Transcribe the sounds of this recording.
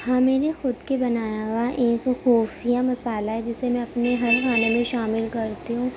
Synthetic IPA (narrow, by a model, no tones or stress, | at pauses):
hãːmɛːnexʊd̪kebɐnaːjaɦʊwaʔeːkxɔːfijamɐsaːlaɦɛd͡ʒɪsemɛ̃ɐpneɦɐɾxaːnemẽʃaːmɪlkɐɾt̪iɦũː